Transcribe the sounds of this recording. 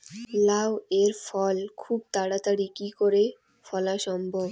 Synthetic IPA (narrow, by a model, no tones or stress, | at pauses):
laweɾfɔlkʰub̚t̪aɽat̪aɽikikoɾe | fɔlaʃɔmbʱob